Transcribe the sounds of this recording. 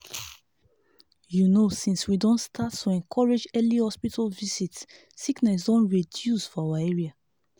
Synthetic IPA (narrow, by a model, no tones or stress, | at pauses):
junosĩnswidõntstʰatːuɛ̃ŋkʰɔɹed͡ʒɛlihɔspitʰalvisitsː | iknɛs̬dɔ̃nɹidjusfɔawaɛɹia